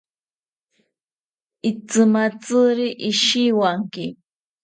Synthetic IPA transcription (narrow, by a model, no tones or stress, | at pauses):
ɪt͡sɨmat͡sɨɾiʔɪʃiwaŋkɪ